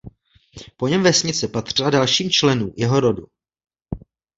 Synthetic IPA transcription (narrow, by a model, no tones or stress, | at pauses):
po̞ɲɛmvɛsɲɪt͡sɛpat̪r̥ɪladalʃiːmt͡ʃlɛnuːmjɛɦo̞ɾo̞du